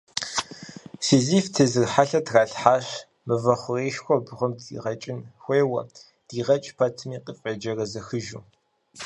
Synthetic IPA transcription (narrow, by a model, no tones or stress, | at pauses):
sɨziːftʰɨzɨrħaɬɐtʰraːɬħaːɕ | mɨvɐχʷʊreːʃxʷɔbʁʷʊmḭːʁɐt͡ʃʼɪnxʷeːwɐ̰ | d̥iːʁɐt͡ʃʼpʰɐtʰɨmiːqifʼed͡ʒɐrɐzɐxɨʒṵː